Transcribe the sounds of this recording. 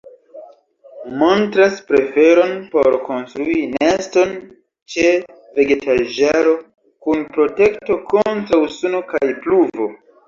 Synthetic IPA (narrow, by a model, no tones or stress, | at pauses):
mo̞ntɾaspɾe̞fe̞ɾo̞npo̞̰ɾko̞nstɾuinesto̞n | t͡ʃe | ve̞ɡe̞tʰaʒaɾo̞ | kunpɾo̞te̞kto̞ko̞ntɾawsuno̞kajpluvo̞